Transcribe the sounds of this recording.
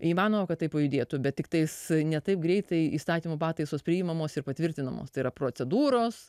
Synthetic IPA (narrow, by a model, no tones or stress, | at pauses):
iːmɑːnoːmokɐt̪̚ːɐɪpɐjʊd̪ʲeːt̪ʊbʲɛt̪tʲɪk̚t̪ɐɪsnʲɛt̪ɐɪp̚ɡɾʲɛɪt̪ɐɪiːst̪ɑːt̪ʲiːmopɑːt̪ɐɪsoːspʲɾʲɪːɪmɐmoːsɪrpɐt̪ʲʋʲɪɾʲt̪ʲɪnɐmo̰ːst̪ɐɪiɾɐpɾoːt͡sʲɛd̪uːɾoːs